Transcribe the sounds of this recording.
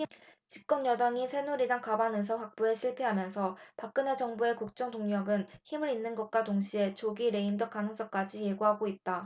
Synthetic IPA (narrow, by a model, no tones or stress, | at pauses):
it͡ɕip̚k͈ʌnjʌdaŋisʰe̞nuɾidaŋkabanɯs̬ʰʌɸwak̚p͈ueɕʰiɭpʰeɦamjʌnsʰʌpak̚k͈ɯne̞d͡ʑʌŋbue̞kuk̚t͡ɕ͈ʌŋtoŋɲʌɡɯnçimɯɾinːɯnɡʌt̚k͈watoŋɕʰie̞t͡ɕoɡiɾe̞imdʌk͈anɯŋs͈ʌk͈ad͡ʑije̞ɡuɦaɡoit̚t͈a